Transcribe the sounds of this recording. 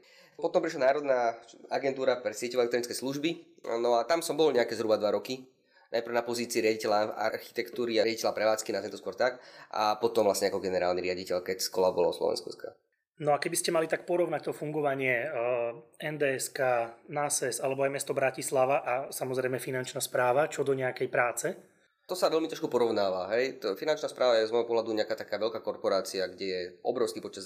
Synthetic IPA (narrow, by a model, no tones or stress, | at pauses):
pɔt̪ɔmpɾiʃlanaːɾɔd̪naːaɡɛnt̪uːɾapɾɛsɪɛcɛʊɛlɛk̚t̪ɾɔnit͡skɛjsluʒbi | nɔat̪amsɔmbɔlɲɛakɛːzɦɾubad̪ʋaɾɔki | nʔajpɾr̩ʊnapɔziːt͡siːɾɪaɟicɛʎaa̰ɾxi̥t̪ɛkt̪uːɾiajaɟicɛlapɾɛʋaːt͡skinazmɛt̪ɔskʊɔɾt̪aka̰pɔt̪ɔmvʋlasɲɛakɔɡɛnɛɾa̰ːlniɾɪaɟicɛʎkɛcskɔ̰labɔlɔ̰slɔ̰ʋɛ̰nskuska̰ | nɔakɛbiscɛmalit̪ak̚pɔɾɔʊnac̚t̪ɔfuŋɡɔʋaɲɪɛ | ɛnd̪ɛːɛskaːnasɛsalɛbɔajmɛst̪ɔbɾacislaʋaʔasamɔzɾɛjmɛfinant͡ʃnaspɾaːʋat͡ʃɔd̪ɔɲɛakɛjpɾaːt͡sɛ | t̪ɔsaʋɛlmit̪ɾɔʃkupɔɾɔʊnaːʋaɦɛjfinant͡ʃnaspɾʔaːʋajɛzmɔjɦɔpɔɦlad̪uɲɛakaːt̪akaːʋɛlʎkakɔɾpɔɾaːt͡siaɡɟɛjɛʔɔ̰bɾɔʊskipɔt͡ʃɛd̪